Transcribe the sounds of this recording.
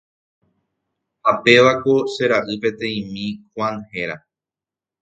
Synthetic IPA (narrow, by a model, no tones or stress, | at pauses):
hape̞ʋako̞ʃe̞ɾaʔɨpe̞t̪ẽ̞ĩmĩxwãnhe̞ɾa